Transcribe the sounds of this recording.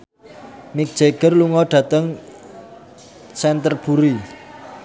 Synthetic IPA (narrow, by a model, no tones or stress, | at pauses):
mik̚d̥ʒ̥eɡ̥ərluŋɔɖ̥ä̤t̪əŋ | sɛnt̪ərb̥ṳɾi